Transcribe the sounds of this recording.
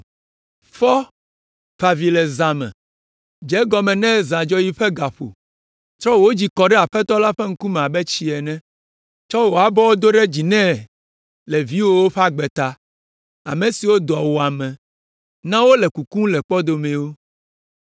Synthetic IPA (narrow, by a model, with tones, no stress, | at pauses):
fɔ˦ | ɸa˨vi˨lɛ˨zã˨mɛ̰̃˨ | d͡ʒɛ˨˦ɡɔ˨mɛ̃˨nɛ̃˦zã˨d͡ʒɔ˦ji˦ɸɛ˦ɡa˨ɸo̰˨ | t̪ɾɔ˦wo˦d͡ʑi˨kɔ˨ɖɛ˦a˨ɸɛ˦t̪ɔ˦la˦ɸɛ˦ŋ̩˦ku˦mɛ̃˨a˨bɛ˦t͡ɕi˦ɛ˨nɛ̃˦ | t͡ʃɔ˦wo˨a˨bɔ˦wo˦d̪o˦ɖɛ˦d͡ʑi˨nɛ̃˦ | lɛ˨vi˦wo˦wo˦ɸa˦ɡ͡bɛ˨t̪a˦ | a̰˨mẽ˨si˨wo˦d̪ɔ˨wo˨a˨mɛ̃˨ | nã˦wo˦lɛ˨ku˨kũ˦lɛ˨k͡pɔ˦d̪o˨mɛ̃˨wo˦